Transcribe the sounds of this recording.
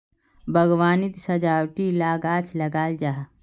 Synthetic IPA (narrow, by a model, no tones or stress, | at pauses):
bʱɐɡwaːnɪt̪sɐd͡ʒaːwʈilaːɡaːt͡ʃʰlɐɡaːld͡ʒaːɦ